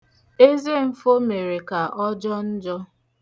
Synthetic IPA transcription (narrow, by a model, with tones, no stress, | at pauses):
e˦ze˦m̩˦fo˦me˨ɾe˨ka˨ʔɔ˦d͡ʒɔ˦n̩˦d͡ʒɔ˦